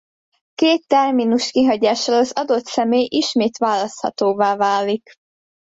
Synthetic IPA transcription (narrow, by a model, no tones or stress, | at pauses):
keːt̪ːɛrminuʃkiɦɒɟaːʃalɒzɒd̪o̞t̪sɛmeːjʔiʃmeːt̪ʋaːlːɒst̪hɒ̰t̪oːvaːvaːlːik